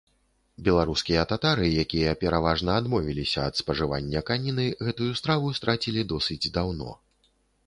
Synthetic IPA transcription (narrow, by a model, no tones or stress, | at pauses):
bʲɛlˠaɾuskʲijɐt̪at̪aɾɨjakʲijɐpʲɛɾavaʐnɐːd̪mɔvʲilʲisʲɐːt̪spɐʐɨva̰nʲːɐkanʲinɨɣɛt̪ujust̪ɾavust̪ɾat͡sʲilʲid̪ɔsɨd͡zʲd̪awnɔ̰